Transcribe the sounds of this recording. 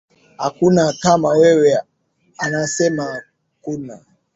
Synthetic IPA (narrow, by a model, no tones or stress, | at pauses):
ha̰kunakamawɛwɛ | anasɛma | kuna